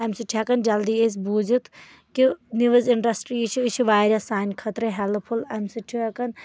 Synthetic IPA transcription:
ɐmsɨʈʰiakɐnd͡ʒɐld̪iesbud͡ʒit̪ | kiniʋɨziɳɖɐsʈɾit͡ʃʰiɨt͡ʃʰiʋaːjɾʲɐsaːjnkʰɐt̪ɾɐɦɛlpʰulɐmsɨʈʰiɐkɐn

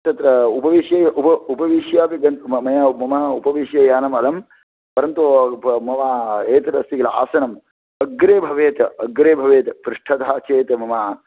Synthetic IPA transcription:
t̪ɐt̪ɾɐupɐʋiʃjɐjɐʔupɐupɐʋiʃjaːpiɡɐnt̪mɐjamɐmɐɦɐupɐʋiʃjɐjaːnɐmɐlɐm | pɐɾɐnt̪umɐʋaːeːt̪ɐɾɐst̪ikɐlɐa̰ːsɐnɐm | ɐɡɾeːbʱɐʋeːt̪ɐɡɾeːbʱɐʋeːt̪ɐpɾɪʂʈʰɐt̪aːt͡ʃeːt̪ɐmɐmaː

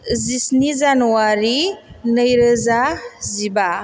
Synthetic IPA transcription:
zisnizanuwaɾinəjɾəzaziba

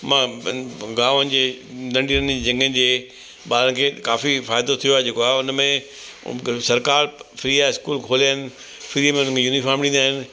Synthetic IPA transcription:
mã | ɡãːʋənɪ̆d͡ʑeːnɐ̃ɳɖiɾəned͡ʑɐ̃ŋɡənɪ̆d͡ʑeː | ɓaːɾə̃nɪ̆kʰeːkaːfifaːjd̪ot̪ʰijoaːɦed͡ʑeːkoaːɦʊnmḛ̃ | sɐɾkaːɾfɪɾiːaɪskuːlkʰoːliaːɪnɪ̆ | fɪɾiːəmẽʊnə̃kʰejuːnifaːɾmɗĩːnd̪aːɦɪnɪ̆

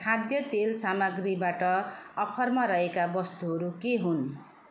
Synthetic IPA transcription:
kʰad̪jʌt̪elsamʌɡribaʈʌʌpʰʌrmaɾʌɦekabʌst̪uɦʌɾukeɦun

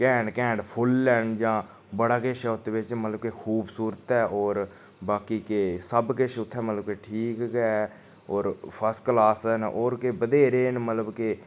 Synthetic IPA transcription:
kɛ̃ːɳɖkɛ̃ːɳɖpʰʊlːɛːɳd͡ʒãː | bəɽaːkeʃʰʊt̪ːʋɪt͡ʃmət̪ləb̚kekʰuːbsuːɾət̪ɛːɔːɾ | baːkiːkesəbkɪʃʰʊt̪ʰːɛːmət̪ləb̚keʈʰiːkɡɛː | ɔːɾpʰəsklaːsnɔːɾkebəd̪eːɾeːnmət̪ləbke

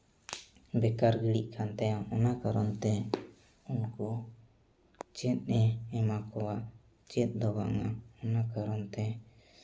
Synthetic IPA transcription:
bɛkaɾɡiɽiʔkʰant̪ɛjaɔnakaɾɔnt̪ɛ | unkɔ | t͡ʃɛt̪̚ˀnɛːmakɔwaʔ | t͡ʃɛt̪̚ˀd̪ɔba̰ʔŋaɔnakaɾɔnt̪ɛ

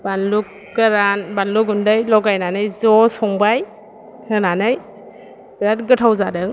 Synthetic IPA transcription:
b̥anluk | ɡɯɾanbanlukundɯjlɔɡajnanɯjzɔsɔŋbaj | hɯnanɯj | ɡ̥ɯɾatɡɯtʰawzadɯŋ

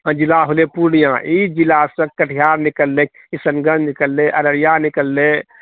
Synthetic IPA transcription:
ə̃d͡ʒilaɦolepuɾɽijãʔid͡ʒilasə̃kəʈʰijaɾnikəlːek̚ | isənɡənnikəlːeʔəɾəɾijanikəlːe

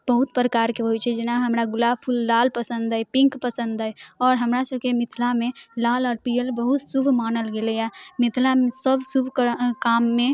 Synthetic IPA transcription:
bəɦut̪̚pɾəkaːɾkeɦojt͡ʃʰɛd͡ʒɪnaɦəmɾaɡʊlaːbpʰulːaːlpəsə̃nd̪əɛpɪ̃ŋkpəsə̃nd̪əɛɔːɾɦəmɾasəb̚kemɪt̪ʰlamẽlaːlɔːɾpijəlbəɦut̪subʱmaːnəlɡeleɛmɪt̪ʰlamesəbʱsubʱkkaːmːẽ

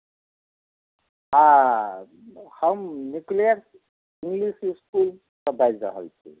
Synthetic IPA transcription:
ɦã | hʌmnukliaɾs | iŋɡlisiskul | səbajzɾə̰ɦə̰lt͡ʃʰḭ

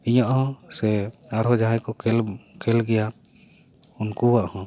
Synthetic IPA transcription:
iɲaʔhɔ̃sɛaɾɦɔd͡ʒaɦajkɔkɛlkʰɛlɡɛja | unkuwaʔhɔ̃

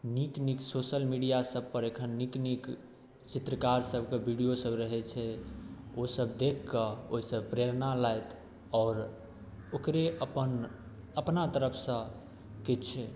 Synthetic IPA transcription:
nikniksoʃəlmiɖijasəb̚ʱpəɾekʰənːiknik | t͡ʃit̪ɾəkaɾsəbʱkebʱiɖijosəbɾəɦɛt͡ʃʰɛ | osəbd̪ekʰkəoɦsəbpɾeɾnalajt̪ | ɔːɾ | okɾeəpən | əpnat̪əɾəpʰsə̃ | ket͡ʃʰɛ

